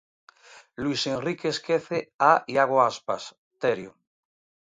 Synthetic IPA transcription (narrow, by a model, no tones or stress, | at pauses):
lwisenrikeskeθeaiaɣ̞oaspa̰s | t̪eɾjo